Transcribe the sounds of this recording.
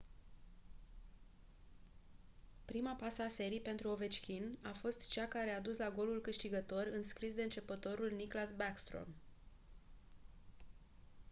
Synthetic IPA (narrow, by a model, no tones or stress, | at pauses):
pɾimapasəase̞ɾipe̞nt̪ɾuo̞ve̞t͡ʃkʲinafo̞st̪t͡ʃakaɾe̞ad̪uslaɡo̞lulkɨʃt̪iɡət̪o̞rɨnskɾis̬d̪e̞ɨnt͡ʃe̞pət̪o̞ɾulniklasbakst̪ɾo̰m